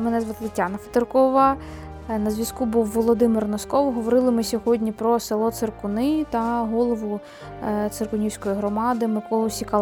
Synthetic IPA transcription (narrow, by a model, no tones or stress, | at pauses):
mɛnɛzʋɐt̪lˠɪtʲːanɐfɐ̥t̪ɪrkɔʋɐ | nɐzʋʲɐskubuwːɔlˠɔd̪ɪmɪrnɔskɔwɦɔʋɔɾɪlˠɪmɪsʲɔɦɔdʲnʲipɾɔselˠɔt̪serkʊnɪt̪ɐɦɔlˠɔʋʊ | t̪serkʊnʲiwʲsʲkɔjiɦɾɔmɑd̪ɪmɪkɔlˠʊsʲikɐ